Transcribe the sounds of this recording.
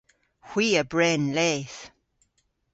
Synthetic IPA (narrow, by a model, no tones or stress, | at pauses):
hw̥iːəbɹɛnlɛθ